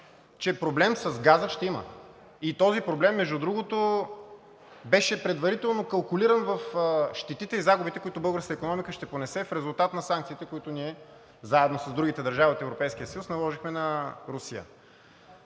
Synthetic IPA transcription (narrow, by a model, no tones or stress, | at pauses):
t͡ʃɛpɾoblɛmsɐzɡazəʃt̪ɛimə̰ | it̪ɔzipɾoblɛmːɛʒd̪ud̪ɾuɡot̪o | bɛʃɛpɾɛd̪vɐɾit̪ɛlˠnokɐlˠkʊliɾənvɐfʃt̪ɛt̪it̪ɛizaɡʊbit̪ɛkoʊit̪ʊbɤlˠɡəɾskəikonɔmikəʃt̪ɛponɛsɛfɾɛzʊlˠt̪at̪nɐsãŋkt̪siːt̪ɛkoit̪ʊniɛ | zaɛd̪nosɐsd̪ɾuɡit̪ɛd̪ɐɾʒaviot̪ɛvɾopɛjskiəsɐjusnɐlˠɔʒixmɛnɐɾusiə̰